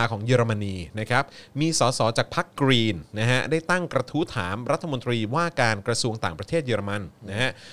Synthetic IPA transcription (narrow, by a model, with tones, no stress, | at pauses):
kʰɔː˩˦ŋjɤː˧ɾa˧ma˧nːiː˧na˦˥kʰa˦˥p̚miː˧sɔː˩˦sɔː˩˦˥t͡ɕaː˨˩k̚pʰa˦˥kːɾiː˧nːa˦˥ka˦˥daː˥˩jt̪a˥˩ŋkɾa˧t̪ʰu˦˥t̪ʰa̰ː˩˦mɾa˦˥t̪ʰːa˧mo˧nt̪ɾiː˧waː˥˩kaː˧nkɾa˧su˧əŋt̪aː˨˩ŋpɾa˧t̪ʰeː˥˩t̪̚jɤː˧ɾa˧ma˧nna˦˥kʰa˦˥ʔ